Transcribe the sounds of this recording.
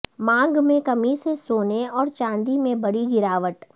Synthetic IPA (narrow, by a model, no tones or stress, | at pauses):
mãːŋɡmẽkɐmisesoːneɔːɾt͡ʃãːnd̪imẽbɐɽiɡɪɾaːʋəʈ